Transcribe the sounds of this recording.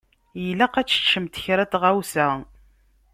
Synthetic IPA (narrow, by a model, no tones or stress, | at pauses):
jəlːæqæt͡sːə̥t͡ʃːəmt̪çɾæt̪ʁæwsæ